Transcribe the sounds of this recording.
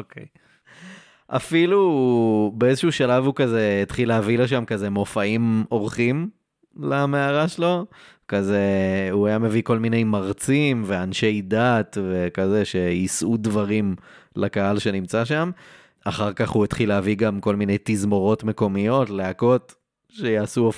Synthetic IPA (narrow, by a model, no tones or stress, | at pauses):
okḛj | ʔa̰filu | beezeʃuʃalavhukaze̞et̪χileaviloʃ̬amkaze̞mo̞faimo̞ʁχim | lameaʁaʃelo̞ | kaze̞uajame̞viko̞lmine̞jmaʁt͡simve̞anʃe̞jdat̪ve̞kaze̞ʃe̞jisʔudvaʁim | lakaɦalʃe̞nimt͡saʃam | aχaʁkaχhuet̪χileaviɡamko̞lmine̞jt̪izmo̞ʁo̞tme̞ko̞mijo̞tleako̞t | ʃe̞jaːsuo